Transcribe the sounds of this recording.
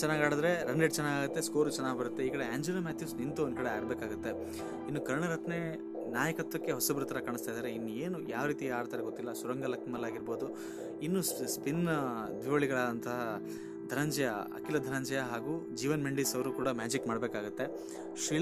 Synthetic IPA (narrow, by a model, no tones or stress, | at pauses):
t͡ʃɛnːaːɡaːɽɐd̪ɐɾe̞ɾɐɳɖeɖt͡ʃɛnːaːɡaːɡut̪ːe̞skoːɾut͡ʃɛnːaːɡbɐɾut̪ːeiːkɐɽeaːɲd͡ʒunɐmaːt̪ʰjiuːsnint̪uond̪kɐɽeaːiɾbeːkaːɡut̪ːe̞ | inːukɐɾɳɐɾɐt̪ʰne | naːjɐkɐt̪ʋɐkːe̞ɦɔsɐbɐɾut̪ːɐɾɐkaːɳ̃ist̪ajd̪aːɾeinːueːnujaːʋɾiːt̪iaːɾt̪aːɾeɡot̪ːilːɐsuɾɐŋɡɐlɐkɐmɐlːaːɡiɾbo̞ːd̪u | inːusspind̪ʋiʋɐɭiɡɐɭaːd̪ɐnt̪ɐɦɐ | d̪ʱɐɾɐɲd͡ʒɛjɐɐ̰kilɐd̪ʱɐɾɐɲd͡ʒɛjɐɦaːɡuːd͡ʒiːʋɐnmeɳɖisɐʋɐɾuːkuːɽɐmaːd͡ʒikmaːɽbeːkaːɡut̪ːe̞ | ʃiːɭ